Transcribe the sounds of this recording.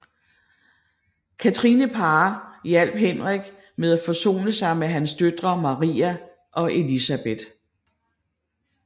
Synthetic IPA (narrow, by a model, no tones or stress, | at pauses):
kʰæt͡sʰʁinəpʰɑːjæl̰b̥̚ɦenʁɛɡ̥ | með̞ˠæfɒ̽so̝̰ːnəsɑ̈ɪmeɦænsd̥ød̥ʁɐmɑ̈ʁḭːæ | ʔɒ̽ʔe̝lisæb̥e̝d̥